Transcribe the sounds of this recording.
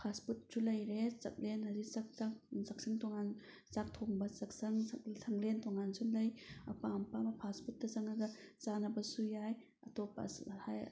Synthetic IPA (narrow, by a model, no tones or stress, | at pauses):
pʰasput̚sulɐjɾesɐ̰k̚lenhazik̚sak̚t͡ʃaksak̚siŋtoŋan | sak̚tʰoŋbɐsɐksɐŋssʰɐŋlentɔŋansulɐjɐpampamɐpʰasput̚ːɐzɐŋaɡɐt͡ʃanɐbɐsujaj | ɐtɔpa̰haj